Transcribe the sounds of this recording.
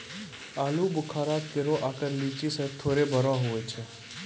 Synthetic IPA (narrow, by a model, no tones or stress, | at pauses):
aːlubʊkʰaɾat̪keɾoʔakəɾlit͡ʃisət̪ʰːoɾebəɾʋaɦoet͡ʃʰe